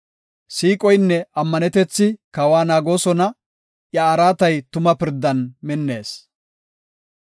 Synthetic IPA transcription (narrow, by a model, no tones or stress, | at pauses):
siːkʼɔjnːɛɐmːɐnɛt̪ɛt͡sːɪkɐwaːnaːɡo̞ːsɔnɐ | ʔjɐːɾaːt̪ɐjt̪ʊmɐpɪɾd̪ːɐnmɪnːe̞ːs